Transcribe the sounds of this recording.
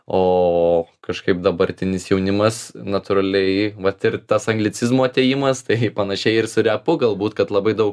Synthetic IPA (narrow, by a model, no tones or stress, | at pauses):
oːkɐʃkɐɪp̚d̪ɐbɐɾʲt̪ʲɪnʲɪsjɛʊnʲɪmɐsnɐt̪ʊɾɐlʲɛɪʋɐt̪ɪrt̪ɐsɐŋɡlʲɪt͡sʲɪzmoːɐt̪ʲeːjɪmɐst̪ɐɪpɐnɐʃʲɛɪɪrsʊɾʲɛpʊɡɐlˠbuːt̪kɐt̪lˠɐbɐɪd̪ɐʊk